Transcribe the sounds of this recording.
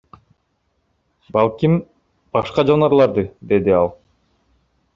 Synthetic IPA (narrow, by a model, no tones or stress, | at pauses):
bɑlˠkʲim | b̥ɑʃqɑd͡ʒonɑɾlˠɑɾd̪ɯd̪e̞d̪iɑlˠ